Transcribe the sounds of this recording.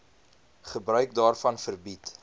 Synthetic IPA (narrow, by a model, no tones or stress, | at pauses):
χəbrœɥk̚dɑːrfɐnfərbit